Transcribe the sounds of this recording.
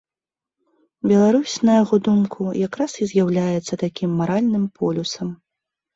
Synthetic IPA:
bʲɛlˠaɾusʲnɐjaɣɔd̪umkʰujakɾasizʲjawlʲajɛt̪sːɐt̪akʲimːaɾalʲnɨmpʰɔlʲusɐm

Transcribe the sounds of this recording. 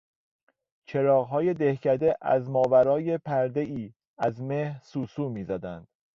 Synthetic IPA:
t͡ʃʰe̞ɾɒːɣɦɒːje̞d̪ehcʰæd̪e̞ʔæ̰zmɒːvæɾɒːje̞pʰæɾd̪e̞iː | æzmehɾsuːsuːmiːzæd̪ænd̪̥

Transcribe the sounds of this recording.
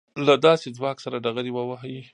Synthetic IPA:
lad̪ɑsed͡zwɑksaɾaɖaɣaɾiwəwaɦaji

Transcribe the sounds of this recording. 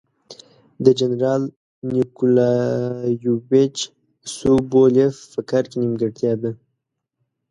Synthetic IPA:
d̪əd͡ʒanɾɑl | nikulɑ | jubet͡ʃ | subolefːəkaɾkenimɡəʈt̪jɑd̪a

